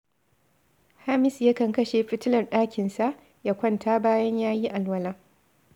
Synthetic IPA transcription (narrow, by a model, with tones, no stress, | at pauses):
ha˦mɪ˨sja˦kɐ˨ŋkɐ˦ʃe˨ɸɪ˦tɪ˦lɐ˨rɗaː˦kʲɪ˨nsa˦ʔ | ja˦kʷɐ˦ntʰaː˦baː˦jɐ˦ɲjaː˦ji˦ʔa˨lwɐ˦laː˦